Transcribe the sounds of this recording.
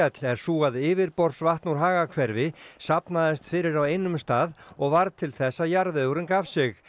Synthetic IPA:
ɛt̪lɛɾ̥suːɣaðɪːvɪɾpɔɾ̥svaht̪nuɾ̥ɦaːɣakʰvɛɾvɪsapnaðɪst̪fɪɾɪɾawejnʏmst̪aːðɔɣvaɾt̪ʰɪlθɛsːajaɾvɪðuɾɪnkav̥sɪx

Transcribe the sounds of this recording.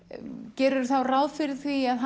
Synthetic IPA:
cɛːɾʏɾθawrawðfɪɾɪð̥θviaðɦ

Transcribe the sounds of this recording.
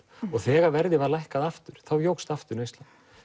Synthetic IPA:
ɔɣθɛːɣaɾvɛɾðɪvalajhkaðaft̪ʏɾ̥θawjowxst̪aft̪ʏɾnejsan

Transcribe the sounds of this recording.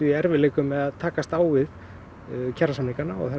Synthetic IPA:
ʏiɛɾvɪleːjkʏmːɛðaðt̪ʰaːkast̪aːwvɪð | cʰaɾːasamliŋkanaɔ̰ɣθɛ

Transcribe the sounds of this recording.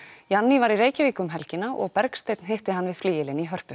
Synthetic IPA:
janːivaɾireːjcɪviːkʏmɦɛlcɪnːaʔɔ̰ɣpɛɾkst̪ejt̪nɦeht̪ɪɦanːvɪðfliːjɪlɪniɦœr̥pʏ

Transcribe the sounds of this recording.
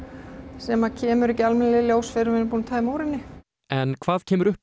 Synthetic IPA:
sɛmaðcʰɛːmʏɾɛhcːɪalmɛnalɪljoːwsfɪɾɪvɪnːpuːnat̪ʰaːðmowɾɪnːɪ | ɛnkʰvaːðcʰɛːmʏɾʏhp

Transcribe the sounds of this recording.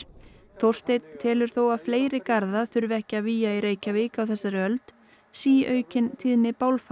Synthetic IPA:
θowr̥st̪et̪t̪ʰːɛːlʏɾ̥θowaðfleːjɾɪkaɾðaθʏɾvɛhcɪaviːjaiɾeːjcavɪːkawθɛsːaɾɪœlt̪ | siːʔœːɥcɪnt̪ʰiðnɪpaːwlfa

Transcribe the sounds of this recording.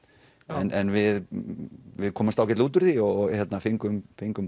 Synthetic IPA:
ɛnʔɛnvɪð | vɪðkʰɔːmast̪awcɛt̪uːt̪ʏɾ̥θiɔɣɣhjɛt̪nafiŋkʏmfiŋkʏm

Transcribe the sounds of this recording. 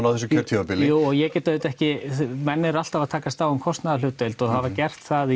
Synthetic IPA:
nawθɛs̬ʏcʰœɾt̪ʰiapɪluːɔɣjɛcɛːt̪aeʏt̪ɛhcɪmɛnːɪɾal̥t̪avaðt̪ʰaːkast̪awɛmkʰɔst̪naðal̥ʏːt̪ːœlt̪ɔɣhavaɾcɛr̥t̪θaði

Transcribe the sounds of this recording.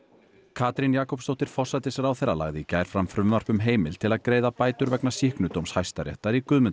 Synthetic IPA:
kʰaːt̪ɾinjaːkɔwpst̪owht̪ɪɾ̥fɔr̥sat̪ɪsɛɾawθɛɾa̰la̰ɣðɪcajɾ̥fɾamfɾʏmːar̥pʏmɦeːjmɪl̥t̪ʰɪlaðkɾeːjðapaːjt̪ʏɾvɛknasihknʏt̪owmshajst̪aɾjɛ̰ht̪aɾikʏðmʏnt̪

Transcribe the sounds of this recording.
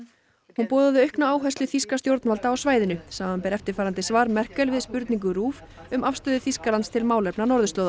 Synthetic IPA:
hunpɔːðaðʏœɥhknaaːwɦɛjst̪lʏθiskast̪jowɾt̪nvalt̪aːwsvaːjðɪnʏsaːmampɛɾɛft̪ɪɾ̥faːɾant̪ɪsvaːɾmɛr̥kɛlvɪðspʏɾt̪niŋk̬ʏɾuːf | ʏmʔafst̪œːðʏθiskalanst̪ʰɪlmaːwlɛpnanɔɾðʏst̪lowða

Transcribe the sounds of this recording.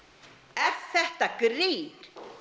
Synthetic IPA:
ɛɾ̥θɛht̪akɾiːn

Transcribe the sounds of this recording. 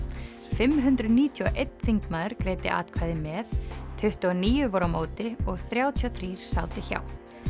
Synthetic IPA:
fɪmɦʏnt̪ɾʏðniːt̪ʰjɔʔejt̪ːθiŋkmaːðʏɾ̥kɾeːjt̪ɪ̰ʔa̰ːt̪kʰvaːjðɪmɛθt̪ʰʏht̪ɔniːjʏvɔɾamoːwt̪ɪɔɣθɾjaːwt̪ʰiɔθɾiːɾ̥saːwt̪ɪça̰ːw

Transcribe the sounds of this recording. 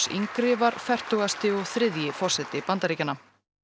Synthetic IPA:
sḭŋkɾɪːvaɾfɛr̥t̪uɣast̪ɪɔɣθɾɪðjɪfɔr̥sɛt̪ɪpant̪aɾiːcanːa

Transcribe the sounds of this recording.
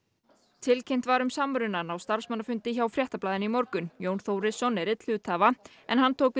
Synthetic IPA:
t̪ʰɪlcʰejm̥t̪vaɾʏmsamɾʏnanawst̪aɾ̥smanːafʏnt̪ɪçawfɾjɛht̪aplaːðɪnimɔɾkʏnjownθoːwɾɪsːɔnɛɾɪt̪l̥ʏːt̪haːva | ɛ̰nɦant̪ʰoːwkvɪ

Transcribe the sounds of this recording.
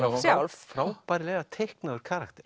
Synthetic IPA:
sjawlffɾapaːɾɪleːjɣat̪ʰehknaðʏɾ̥kʰaːɾakt̪ɛ̥

